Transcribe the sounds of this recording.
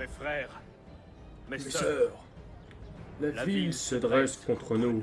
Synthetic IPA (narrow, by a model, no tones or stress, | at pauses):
mefχɛʁ | mmmesœʁ | lavilsəd̪ʁɛskɔ̃t̪χənu